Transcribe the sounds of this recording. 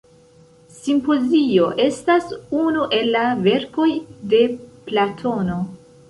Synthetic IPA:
simpo̞zio̞ʔe̞stasunuʔe̞lːave̞ɾko̞jde̞platʰo̞no̞

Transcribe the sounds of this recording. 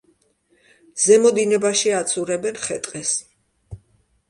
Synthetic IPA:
z̥ɛmɔd̪inɛbaʃiat̪sʰuɾɛbɛnχɛt̪ʼqʼɛs

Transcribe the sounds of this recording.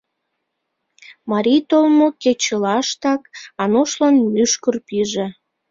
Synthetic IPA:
mɑɾʲit̪olmoket͡ɕəlɑʃt̪ɑkɑnoʃlɑnmyʃkərpiʒe

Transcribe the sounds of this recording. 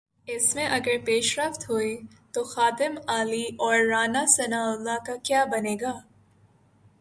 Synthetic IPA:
ɪsmẽʔɐɡəɾpeːʃɾəft̪ɦoːe | t̪oxaːd̪ɪmaːliɔːɾːaːnasɐnaːʊlːakakjaːbɐneːɡaː

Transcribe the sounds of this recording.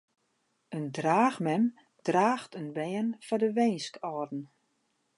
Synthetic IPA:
əndraːxmɛm | d̥raːxtʰənbɛːnfadəʋɛjnskɔːdn̩

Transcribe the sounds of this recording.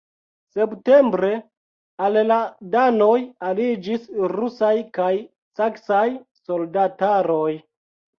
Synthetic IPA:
se̞pte̞mbɾe̞ | alladano̞jalid͡ʒisɾusajkaj | saksajso̞ldataɾo̞j

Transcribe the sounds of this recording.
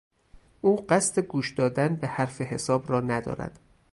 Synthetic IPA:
ʔuːɢæst̪ʰe̞ɡuːʃd̪ɒːd̪ænbehæɾfeɦe̞sɒːbɾɒːnæd̪ɒ̰ːɾæ̰d̪̥

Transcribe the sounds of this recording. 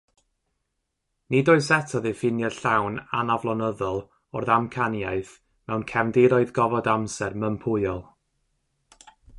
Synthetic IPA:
nidoɨsɛtʰɔðɪfɪnjɔɬawna̰navlˠɔnəðɔlˠ | ɔrðamkʰanjaɨθ | mɛwnkʰɛvndɪɾɔɨðɡɔvɔdamsɛrməmpʰʊɨɔlˠ

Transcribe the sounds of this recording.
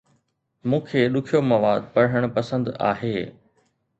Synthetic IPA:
mũːkʰeːɗʊkʰijomɐʋaːd̪̚pɐɽɦəɽ̃pɐsə̃nd̪a̰ːɦeː

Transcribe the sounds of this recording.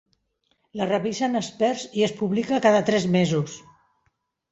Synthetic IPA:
lərəβizanəspɛɾziəspuβlikakaðat̪ɾɛzmezus

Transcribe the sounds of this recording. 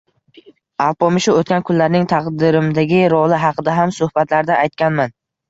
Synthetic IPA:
alˠpɒmɪʃʊot̪̚kʲankʲʰʊnlːaɾnɪŋt̪ʰɑqd̪ɪɾɪmd̪aɡʲɪɾɒlˠɪɦɑqʰɨd̪aɦamsʊhbat̪ʰlaɾd̪aːjt̪̚kʲanman

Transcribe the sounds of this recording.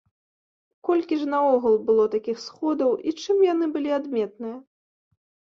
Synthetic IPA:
kɔlʲkʲiʐnɐɔɣulˠbɨlˠɔt̪akʲixsxɔd̪ɐwit͡ʂɨmjanɨbɨlʲiad̪mʲɛt̪̚nɨjɐ

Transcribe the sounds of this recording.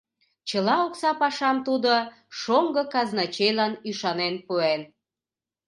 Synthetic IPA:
t͡ɕəlɑoksɑpɑʃɑmt̪ud̪o | ʃoŋɡəkɑznɑt͡ɕejlɑnyʃɑnenpuen

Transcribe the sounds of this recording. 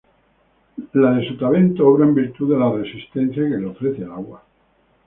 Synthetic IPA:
laðesot̪aβent̪ooβɾaembiɾt̪uðelaresist̪en̟θjakeleofɾeθealaɣwa

